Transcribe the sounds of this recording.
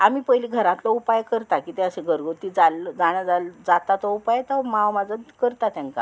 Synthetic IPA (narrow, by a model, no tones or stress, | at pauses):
amiːpəjliɡʱəɾãt̪lɔupajkəɾt̪akiːt̪eəɕeɡʱəɾɡot̪id͡zalːəd͡zaɽ̃jad͡zald͡zat̪at̪ɔupajt̪əmawmad͡zənkəɾt̪at̪jãŋka̰